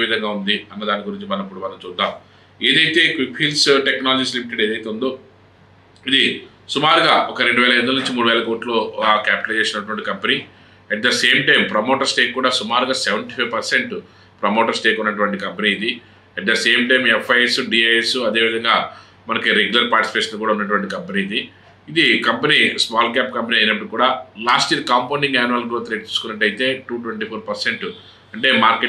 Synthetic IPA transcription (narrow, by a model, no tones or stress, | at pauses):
ʋid̪ʱɐŋɡaːund̪iɐnːɐd̪aːniɡuɾiɲt͡ʃimɐnɐmipːuɽumɐnɐmt͡ʃuːd̪ːaːm | e̞ːd̪ɐjt̪e̞ːkʋikpʰiːlsʈeknaːlɐd͡ʒiːs̬limiʈeɖe̞ːd̪ɐjt̪eːund̪oː | id̪i | sumaːɾuɡaːɔkɐɾe̞ɳɖuʋɛːlɐend̪ɐlnuɲt͡ʃimuːɽuʋɛːlɐkoːʈloːkaːpiʈɐlt͡ʃeːsinɐʈuʋɐɳʈikɐmpeni | ɛʈ̚d̪ɐseːmʈɐjmpɾɐmoːʈɐɾsʈeːkːuːɽaːsumaːɾuɡaːseʋɐɳʈifʰɐʋpɐɾse̞ɳʈ | pɾɐmoːʈɐɾsʈeːkunːɐʈ̬uʋɐɳʈ̬ikɐmpɐniːd̪i | ɛʈ̚d̪ɐseːmʈɐjmɛfʰːɐjesuɖiːaːesuɐd̪e̞ːʋid̪ʱɐŋɡaː | mɐnɐkiɾeɡjulɐɾpaːɾʈispeːʂɐnlok̬uːɽaːunːɐʈ̬uʋɐɳʈikɐmpɐniːid̪iː | d̪ikɐmpɐnismaːlkaːp̚kɐmpɐniɐjinɐp̬ːɐɽukuːɽaːlaːsʈijɐɾkaːmpɐnɖiŋɡaːnuʋaːlɡɾoːt̪ɾeːʈ̚t͡ʃ̪iːsu̥kunːɐʈːɐjit̪e̞ːʈuːʈʋeɳʈiːpʰoːɾpɐɾseɳʈu | ɐɳʈe̞ːmaːɾke